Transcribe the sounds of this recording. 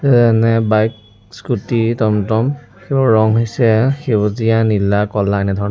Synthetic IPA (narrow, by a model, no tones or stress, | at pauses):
ɛzanɛbajk̚ | skutitɔmtɔm | xeɹɔŋɦojsɛxewzijanilakɔlaɛnɛdʱɔɹɔ